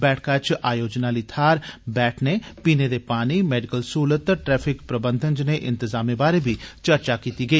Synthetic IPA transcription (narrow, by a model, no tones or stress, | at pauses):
bɛːʈʰkaːt͡ʃaːjoːd͡ʒnaːliːt̪ʰaːɾbɛːʈʰneːpiːneːd̪eːpaːniːmɛːɖɪkəlsuːlət̪ːəʈɾɛːpʰɪkpɾəbənd̪ʱənd͡ʒneʔɪ̃nt̪ɪzaːmeːbaːɾeːbiːt͡ʃəɾt͡ʃaːkiːt̪iːɡəiː